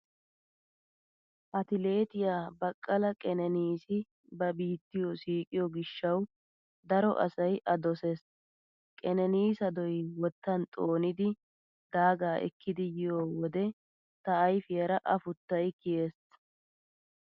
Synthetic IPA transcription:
ʔɐt̪ɪle̞ːt̪ɪjaːbɐkʼːɐlɐkʼɛnɛniːsɪ | bɐbiːt̪ːɪjɔsiːkʼɪjɔɡɪʃːɐw | d̪ɐɾɔ̰ʔɐ̰sɐjʔɐd̪ɔses | kʼɛnɛniːsɐd̪ɔjwɔt̪ːɐnt̪ʼoːnɪd̪ɪ | d̪̥aːɡaːʔɛ̰kːɪd̪ɪjɪjoːwɔd̪ɛ | t̪ɐːjfɪjɐɾɐʔɐfʊt̪ːɐjkɪjeːs

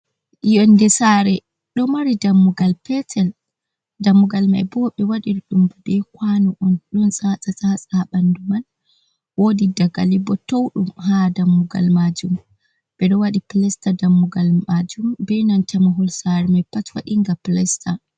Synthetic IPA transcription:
jɔndɛsaɾɛ | ɗɔmaɾidamːuɡalpɛtʰɛl | damːuɡalma̰jbɔɓɛwaɗiɾɗumbudɛkwanuʔɔnɗɔnsʼasʼasʼasʼaɓanduman | wodidaɡa̰libɔtowɗumɦadamːuɡa̰lmad͡ʒum | bɛɗɔwaɗiplɛstadamːuɡalmad͡ʒumbɛnantʰɛmaɦɔlsaɾɛmajpatwa̰ɗiŋɡaplɛsta

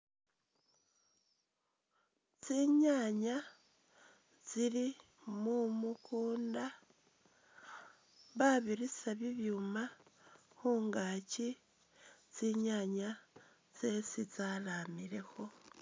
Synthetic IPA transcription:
t͡siɲaɲa | t͡siɾi | mumukʰuːnda | βaβiɾisaβiβjuːmaxuːŋɡaːci | t͡siɲaɲa | t͡se̞sit͡salamiɾe̞xo̞

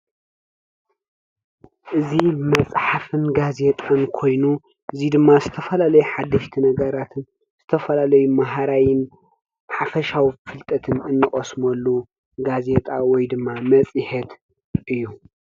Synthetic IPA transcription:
ʔɨzimɐt͡sʼħafɨnɡaze̞t̪ʼankʰo̞jnu | ʔɨzid̪ɨmːazɨt̪ʰɐfɐlalɐjuħad̪ːɐʃt̪ʰinɐɡɐɾat̪ʰɨn | z̥ɨt̪ʰɐfɐlalɐjumaɦaɾajɪn | ħafɐʃawifɨlt̪ʼɐt̪ʰɨnɨnːɨχʼɐsmɐlːu | ɡaze̞t̪ʼawɔjd̪ɨmːamɐt͡sʼihet̪ | ʔɨjːu

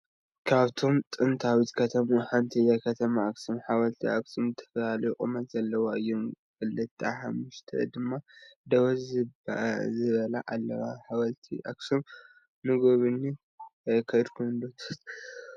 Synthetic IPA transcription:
kʰaβt̪ʰo̞mt̪ʼɨnt̪ʰawit̪kʰɐt̪ʰɐmuħant̪ʰijakʰɐt̪ʰɐmaːksɨmħaβɐlt̪ʰiʔaksumzɨt̪ʰɐ̥fɐlalɐjukʼɨmɐt̪zɐlːɐwaɨjːomkɨlːɐt̪ʰːa̰ħamːuʃt̪ʰɐ̰d̪ɨmːad̪ɐwɐzzɨzɨβɐlaʔalːɐwaħaβɐlt̪ʰḭʔa̰ksum | nɨɡoβɨnːi | kʰɐjd̪kʰund̪ot̪ʰḁt̪

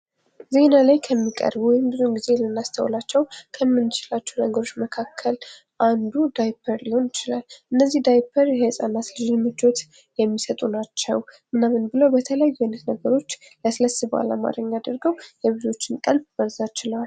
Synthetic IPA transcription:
ze̞nalajkʰəmːikʼə̰ɾbuwɔjɪmbɨzonɡize̞lɨnːast̪ʰə̰w̰lat͡ʃːɛwkʰəmːɨnːt͡ʃʰɪlat͡ʃːɛwnəɡəɾo̞t͡ʃːməkʰakʰːəl | ʔand̪ud̪ajpʰəɾliho̞njɪt͡ʃɪlalʔɨnːəzːihd̪ajpʰəɾjɛhɨsʼanːat̪lɨʒinmɨt͡ʃo̞t̪ | jɛmːisət̪ʼunat͡ʃːɛwmɨnamɨnbɨləwbət̪ʰələjajːanːət̪nəɡəɾo̞t͡ʃː | ləsɨləsɨba̰la̰ma̰ɾəɲːad̪əɾɡəwjɛβɨzo̞t͡ʃːɪnkʼəlbbəɾzat͡ʃɪləwal

